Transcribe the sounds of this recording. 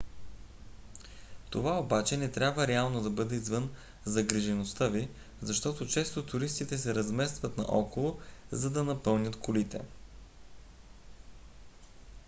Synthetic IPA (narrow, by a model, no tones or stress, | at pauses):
t̪ovaobat͡ʃɛnɛt̪ɾʲabvəɾɛalˠnod̪ɐbɤd̪ɛizvɤn | zɐɡɾiʒɛnost̪avi | zɐʃt̪ɔt̪ot͡ʃɛst̪ot̪ʊɾist̪it̪ɛsɛɾɐzmɛst̪vət̪nɐ̰ʔɔkolˠozɐd̪ɐnɐpɤlˠnʲət̪kʰolit̪ɛ̰